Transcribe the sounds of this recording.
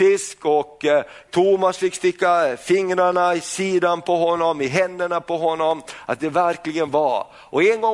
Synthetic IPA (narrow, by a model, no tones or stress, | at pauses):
ɪskɔk | t̪ʰumasfɪkːst̪ɪkːafɪŋːɾaɳaɪsiːd̪anpʰɔɦɔnːɔmɪɦɛnd̪əɳapɔɦɔnːɔmʔa̰t̪̚d̪ɛvæɾklɪɡənva | ʔɔɛnɡɔ